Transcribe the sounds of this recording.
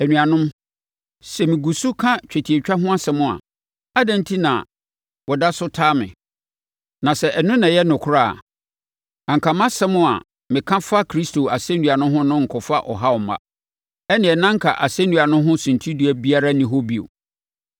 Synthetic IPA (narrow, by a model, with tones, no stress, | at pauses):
æ˨nũ˨a˨nʊ̃˦m | sɛ˨mɪ̃˨ɡu˨su˦kʰã˦t͡ɕᶣæ˨tʰi˨e˨t͡ɕᶣa˦ɦʊ̃˦a˦sɛ˨mʊ̃˦˨a̰˨ | a˦dɛ̃˦n˦tʰi˦nã̰˨ | wɔ˨da˦sʊ˦tʰaː˦mɪ̰̃˨ | nã˨sɛ˨ʔɛ˨nʊ̃˦nã˨jɛ˦nʊ̃˨kʰʊ˦a̰ː˦˨ | ã˨ŋ˨kʰa˨mã˦sɛ˦mʊ̃˦a̰˨ | mɪ̃˨kʰã˦fa˦kʰɾi˦stʰo˨a˨sɛ̃˦nũ˨a˨nʊ̃˦ɦʊ̃˦nʊ̃˦ŋ̩˨kʰɔ˨fa˦ʔɔ˨ɦa˦ɔ˨ma̰˦ | ɛ˦nɪ̃˨ɛ˨nã˦ŋ˦kʰa̰˨ʔa˨sɛ̃˦nũ˨a˨nʊ̃˦ɦʊ̃˦sũ˨ntʰi˦du˦æ˨bi˦a˦ɾa˦nɪ̃˨ɦo˦bi˦˨o̰˨